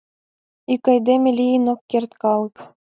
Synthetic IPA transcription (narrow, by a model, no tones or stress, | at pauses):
ikːɑjd̪ʲemʲɘ̆lʲiinokːʲerʲt̪kɑlˠɤ̆k